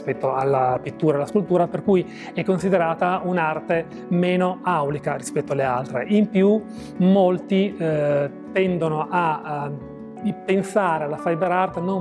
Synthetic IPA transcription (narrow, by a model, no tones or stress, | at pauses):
spɛt̪ːoalːapit̪ːuːɾalːaskult̪uːɾaperkuj | ɛkːonsid̪eɾaːt̪aunart̪e | meːnoawlikaɾispɛt̪ːoalːealt̪ɾḛʔimpju | molt̪i | t̪ːɛnd̪onoʔa | pːensaːɾealafajbeɾart̪eno